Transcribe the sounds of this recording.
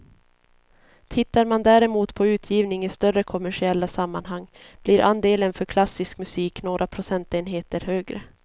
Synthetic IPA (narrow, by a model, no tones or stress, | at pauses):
t̪ʰɪt̪ːaɾmand̪æːɾɛmuːt̪pʰɔʉ̟ːt̪ʰjiːvnɪŋɪst̪œɾəkʰʊmæʂɪɛlːasamːanɦaŋːb̥lɪɾʔa̰nd̪eːlənfœɾkʰlasːɪskmɵsiːknoːɾʔapʰɾʊsɛnt̪eːnɦeːt̪əɾɦøːɡɾə̰